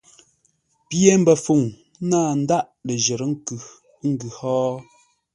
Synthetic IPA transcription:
pje˦m̩˦bə˨fu˨ŋ˦ | naː˦˨n̩˦da˦ʔlə˨ʒə˨ɾə˦ŋ̩˦kʉ˨˦ | ŋ̩˦ɡʉ˨hɔː˦

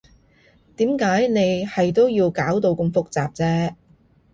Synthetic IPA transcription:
t̪iː˨˥mkaː˨˥jne˨˧jhɐ˨jt̪̬o˥wjiː˧wkaː˨˥wt̪o˧wkɐ˧mfʊ˥k̚t͡saː˨p̚t͡sɛː˥

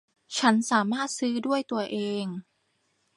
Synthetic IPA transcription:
t͡ɕʰa˦˥nsaː˩˦maː˥˩t̪̚sɯː˦˥du˥˩əjt̪u˧ɐʔeː˧ŋ

